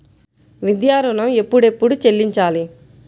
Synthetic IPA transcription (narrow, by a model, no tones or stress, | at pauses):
ʋid̪jaːɾunɐme̞pːuɽe̞pːuɽut͡ʃe̞lːiɲt͡ʃaːli